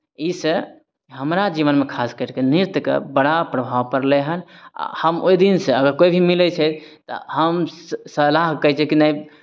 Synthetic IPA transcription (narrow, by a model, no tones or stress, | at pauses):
isə | ɦəmɾad͡ʒiʋənmekʰaskəɾkeniɾt̪kḛbəɽapɾəbʱawpəɾleɦəna̰həmoid̪inseəɡəɾkojbʱimilɛt͡ʃʰɛt̪t̪ɔ̰həmsəlaɦkəɦt͡ʃʰɛkinai